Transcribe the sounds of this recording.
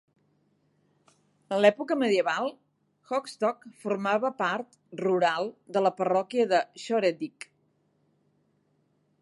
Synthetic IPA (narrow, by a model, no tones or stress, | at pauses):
ənlɛpukəməðiəβalˠ | xɔkst̪ɔkfuɾmaβəpaɾt̪ | ruɾalˠd̪ələpərɔkiəðəʃɔɾed̪ik